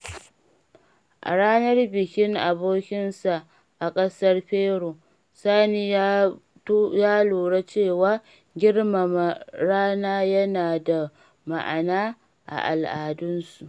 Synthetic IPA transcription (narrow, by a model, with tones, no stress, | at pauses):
ʔa̰˨ɽaː˦nɐ˦rbɪ˨kʲɪ˦ŋʔa˨boː˦kʲɪ˦nsa˨ʔ | ʔa˨kʼɐ˦sɐ˦rɸeː˦ɽo˨ | saː˦niː˦ | jaː˦loː˨ɽa˦t͡ʃeː˦˨waː˦ | ɡʲɪ˦rma˨ma˨ɾaː˦naː˦jɐ˦naː˨da˨ | ma˨ʔa˨naː˦ | ʔa̰˨ʔa̰˨lʔaː˨dʊ˦nsu˨ʔ